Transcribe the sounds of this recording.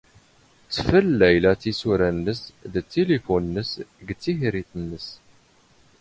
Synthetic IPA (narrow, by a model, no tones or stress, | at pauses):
t͡sːfəlːæjlæt͡sːisuɾænːəsðt̪ːelefunːəsɡt͡sːiçɾiθənːəs